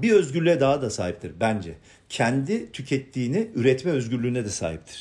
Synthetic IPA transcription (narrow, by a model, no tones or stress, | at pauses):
biø̞zɟyɾlʲyɛd̪aɦad̪asaːɦip̚t̪ʰiɾbænd͡ʒɛ | cʰɛnd̪it̪ʰycʰɛt̪ːiːniyɾɛt̪mɛø̞zɟyɾlʲyːnɛd̪ɛsa̰ːɦḭp̚t̪ʰi̥ɾ̥